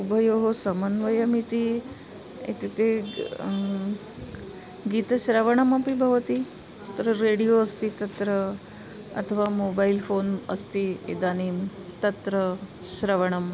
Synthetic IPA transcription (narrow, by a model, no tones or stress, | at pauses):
ubʱəjoɦosɐmɐnʋɐjɐmit̪i | ḛt̪it̪e | ɡiːt̪ɐɕɾɐʋəɳ̃ɐmɐpibʱɐʋt̪i | t̪ɐt̪ɾəɾeɽijoɐst̪it̪ɐt̪ɾə | ɐ̰t̪ʰəʋamobailfoːnɐ̰st̪iḛd̪aniːmt̪ɐt̪ɾəɕɾɐʋəɳ̃ɐm